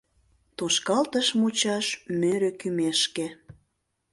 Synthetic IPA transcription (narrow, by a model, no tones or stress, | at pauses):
t̪oʃkɑlt̪əʃmut͡ɕɑʃmøɾøkymeʃke